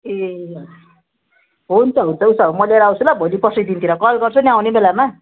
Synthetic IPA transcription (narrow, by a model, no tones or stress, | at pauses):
e | ɦunt͡sʰʌɦunt͡sʰʌusʌmʌlaɾʌaw̃t͡sʰulabʱʌlipʌsʌjd̪int̪ʰiɾʌkʌlɡʌrt͡sʰuniawnebelama